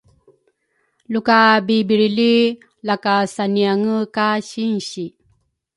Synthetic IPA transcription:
lukabibiɾili | lakasaniaŋəkaɕinɕi

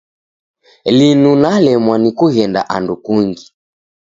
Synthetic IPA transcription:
linunalɛmwanikuɣɛnda̰ʔandukuŋɡi

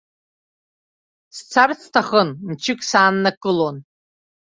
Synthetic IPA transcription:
st͡sʰart͡sʰtʰaχənmt͡ʃʰɪkʼsaːnːakʼɨlon

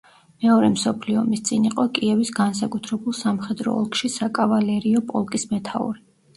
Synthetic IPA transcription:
mɛɔɾɛmsɔpʰliɔmist̪sʼiniqʼɔkʼiɛvisɡans̬akʼut̪ʰɾɛbulˠsamχɛd̪ɾɔ̰ɔ̰lˠkʼʃisakʼavalɛɾiɔpʼɔlˠkʼismɛt̪ʰaṵɾi

